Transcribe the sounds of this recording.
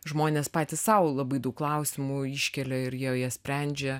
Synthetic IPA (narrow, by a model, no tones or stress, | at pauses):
ʒmoːnʲeːspɑːt̪ʲɪssɐʊlˠɐbɐɪd̪ɐʊkːlˠɐʊsʲɪmuiʃʲkʲɛlʲɛɪɾjiɛjiɛsʲpʲɾʲɛnʲd͡ʒʲe